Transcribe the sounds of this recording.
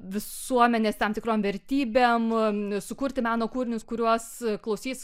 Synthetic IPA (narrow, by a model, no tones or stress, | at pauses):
ʋʲɪsuɔmʲɛnʲeːst̪ɑmt̪ʲɪkɾoːmʋʲɛɾʲt̪ʲiːbʲeːmsʊkuːɾʲt̪ʲɪmɑːnoːkuːɾʲɪnʲʊskʊɾʲuɔsklˠɐʊsʲiːs